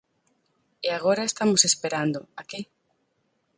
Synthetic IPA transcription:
eaɣ̞oɾaest̪amosespeɾand̪oake

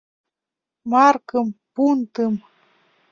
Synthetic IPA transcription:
mɑrkɤmpunt̪ɨm

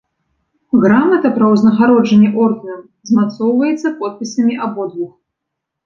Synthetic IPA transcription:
ɣɾamɐt̪ɐpɾɐwznɐɣaɾɔd͡ʐɛnʲːɛʔɔrɣɐnɐm | zmat̪sɔwvɐjɛt̪sːɐpɔt̪̚pʲisʲɐmʲiʔabɔd̪vux

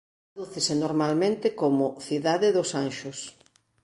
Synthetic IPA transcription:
oðuθesenoɾmalmẽnt̪ɪkomʊθiðaðɪðʊsanʃʊs

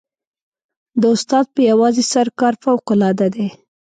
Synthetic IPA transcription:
d̪əʊst̪ɑd̪̚pəjawɑzesaɾkɑɾfawqʊlɑd̪ad̪e

